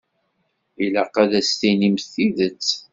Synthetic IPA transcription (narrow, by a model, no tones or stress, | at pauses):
iləqæðæst̪inimθiðət͡sː